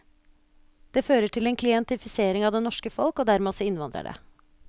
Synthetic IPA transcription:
d̪̥eːføːɾəʈʰɪleːnkʰlɪɛnt̪ɪfɪseːɾɪŋɑʋd̪eːnɔʂkəfɔlkoːd̪æɾmeːɔsɔɪnʋɑnd̪ɾə̰ɖḛː

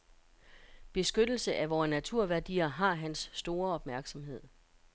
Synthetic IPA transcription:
b̥e̝sɡ̥ød̥l̩səʔæʋɒːnæt͡sʰuɐ̰ʋæɐd̥ḭːɐɦɑ̈ɦænsːd̥o̝ːɐɒ̽b̥mæɐɡ̥sɒ̽mɦe̝ð̞̰ˠ

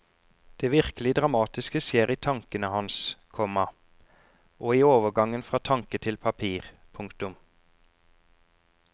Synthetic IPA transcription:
d̪̥eːʋɪʁkəlɪd̪ʁɑmɑːt̪ɪskəseːʁiːt̪ʰɑŋkənəhɑnskʰɔmɑ | ʔoːiːoːʋəɡɑŋənfʁɑːt̪ʰɑŋkət̪ʰɪlpʰɑpʰiːʁ | pʰʊŋkt̪ʊm

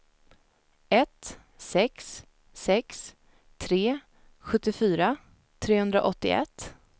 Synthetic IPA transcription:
ɛt̪ | sɛksː | ɛks | t̪ʰɾeː | ɧɵt̪ːɪfyːɾa | t̪ʰɾeːhɵnd̪ɾa̰ʔɔt̪ːɪ̰ʔɛ̰t̪ː

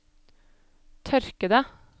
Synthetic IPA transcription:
t̪ʰœɾkəd̪ə

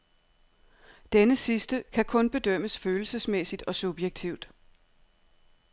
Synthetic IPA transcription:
d̥enəsisd̥əkʰækʰɔ̽nb̥e̝d̥øm̰əsføːl̩səsmesid̥ɒ̽sub̥jeɡ̥̚t͡sʰiʊd̥

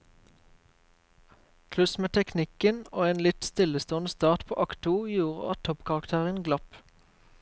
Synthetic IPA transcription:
pʰlʉsmeːt̪ʰɛknɪkənoːeːnlɪt̪st̪ɪləst̪oːnəst̪ɑːʁt̪pʰo̰ːʔɑkt̪ʰuːjuːʁə̰ɑt̪ʰːɔpkʰɑʁɑkt̪ʰæːʁənɡlɑp

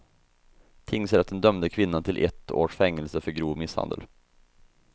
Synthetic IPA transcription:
t̪ʰɪŋːsɛɾat̪̚d̪ɛnd̪œmd̪əkʰvɪnːant̪ʰɪlʔɛ̰t̪ːo̰ːʂfɛŋːəlsəfœɾɡɾuːvmɪsha̰nd̪ə̰l

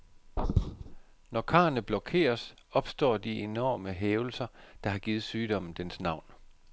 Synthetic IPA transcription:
nɒkʰɑ̈ːnəb̥lɒkʰe̝̰ːɐs | ɒ̽b̥sd̥ɒ̰ːd̥ie̝nɒ̰ːməɦeːʊl̩sɐd̥ɑ̈ɦɑ̈ɡ̥iːð̩ˠsyːd̥ɒ̽m̰n̩d̥ensnɑ̈ʊ̰n

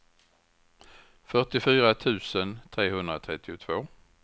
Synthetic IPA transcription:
fœʈɪfyːɾat̪ʰʉ̟ːsənt̪ʰɾeːɦɵnd̪ɾat̪ʰɾɛt̪ːɪʊt̪ʰvoː

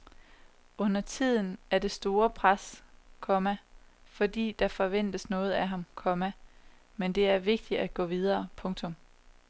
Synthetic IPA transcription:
ɔ̽n̰ɐt͡sʰið̞̰ˠn̩æɐd̥e̝sd̥o̝ːɐpʰʁaskʰɒ̽mæfɒ̽d̥ḭːd̥ɑ̈fɒ̽ʋen̰d̥əsnɔ̽ːð̞̩ˠæɦɑ̈mkʰɒ̽mæ | mend̥e̝æɐʋe̝ɡ̥̚d̥iæ̥ɡ̥ɔ̰ːʋið̞ˠɐːpʰɔ̽ŋt͡sʰɔ̽m

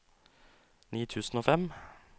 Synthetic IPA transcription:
niːt̪ʰʉːsn̩oːfɛm

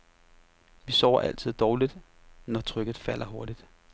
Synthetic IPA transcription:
ʋisɒʊɐʔæl̰t͡sʰið̞̰ˠd̥ɒːlid̥ | nɒt͡sʰʁœɡ̥ð̩ˠfæl̰ɐɦo̝ɐɾ̥id̥

